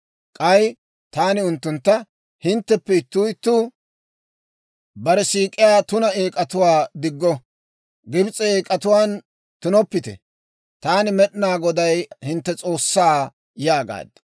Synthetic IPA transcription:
kʼɐj | t̪aːnɪʊnt̪ːʊnt̪ːɐ | hɪnt̪ːɛpːɛɪt̪ːuːjɪt̪ːʊ | bɐɾɛsiːkʼːɪjaːt̪ʊnɐeːkʼɐt̪ʊwaːd̪ɪɡːɔ | ɡɪbt͡sʼɛeːkʼɐt̪ʊwaːn | t̪ʊnɔpːɪt̪ɛ̰ | t̪aːnɪmɛɗnaːɡɔd̪ɐjhɪnt̪ːɛt͡sʼo̞ːsːaː | jaːɡa̰ːd̪

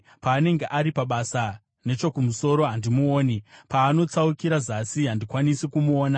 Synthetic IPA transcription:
paːne̞ŋɡe̞ʔaɾipaɓasa | ne̞t͡ʃo̞kumuso̞ɾo̞ɦandimuoːnipaːno̞t͡saukiɾazasiɦandikwanisikumuoːna

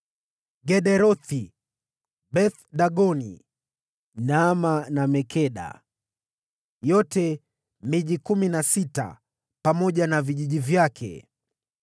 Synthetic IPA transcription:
ɡɛɗɛɾɔθi | bɛθɗaɠɔnḭ | namanamɛkʰɛɗa̰ | jɔtɛ | miʄikuminasita̰ | pamɔʄanaviʄiʄivjakʰɛ̰

